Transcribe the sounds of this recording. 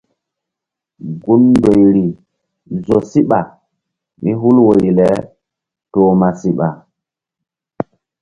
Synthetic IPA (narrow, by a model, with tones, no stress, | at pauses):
ɡu˦nːdo˨jɾi˨ | zo˨si˦ɓa˨ | mi˦ɦu˦lwo˨ɾi˨lɛ˨˦ | toː˨˦ma˨si˦ɓa˨